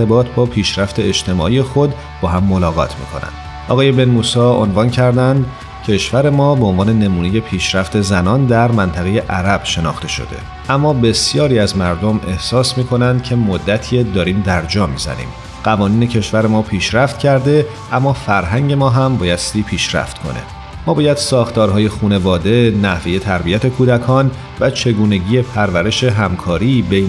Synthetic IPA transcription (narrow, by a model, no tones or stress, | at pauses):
ebɒːt̪ʰbɒːpʰiːʃɾæft̪ʰe̞ed͡ʒt̪ʰe̞mɒ̰ːiːje̞xo̞d̪ | bɒːɦæmːo̞lɒːɣɒ̰ːt̪ʰmḭːkʰo̞̰næ̰nd̪̥ʔɒ̰ːɣɒːje̞benmuːsɒːo̰nvɒːncʰæɾd̪ænd̪ | cʰe̞ʃvæɾe̞mɒːbeonvɒːnene̞muːneje̞pʰiːʃɾæft̪e̞zænɒːnd̪æɾmænt̪ʰæɣe̞je̞ʔæɾæb̥ʃe̞nɒ̰ːxt̪e̞ʃo̰d̪e̞̰ | ʔæmːɒːbe̞sjɒːɾiːæzmæɾd̪o̞mʔe̞hsɒːsmiːkʰo̞nænd̪̥cʰe̞mod̪ːæt̪ʰied̪ɒːɾiːmd̪æɾd͡ʒɒːmḭːzæ̰nḭːm | ɢ̥ævɒːniːne̞cʰe̞ʃvæɾemɒːpʰiːʃɾæft̪cʰæɾd̪e̞ | ʔæmːɒːfæɾɦæɲɟe̞mɒːɦæmbɒːjæst̪iːpʰiːʃɾæ̰ft̪kʰo̞̰ne̞̰ | mɒːbɒːjæd̪̥sɒːxt̪ɒːɾɦɒːje̞xuːnevɒːd̪e̞næhve̞je̞t̪ʰæɾbijæt̪ʰe̞kʰuːd̪ækʰɒːn | væt͡ʃʰe̞ɡuːne̞ɟiːje̞pʰæɾvæɾe̞ʃe̞ɦæmkʰɒːɾiːbej